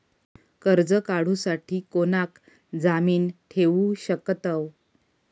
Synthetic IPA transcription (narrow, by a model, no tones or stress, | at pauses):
kəɾd͡zəkaɽ̤ũsaʈʰiːkonak | d͡zamiːnʈʰeʋuɕəkt̪əw